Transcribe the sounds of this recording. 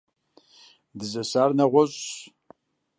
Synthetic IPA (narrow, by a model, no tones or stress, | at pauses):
dɨzɐsaːrnɐʁʷɔɕʼ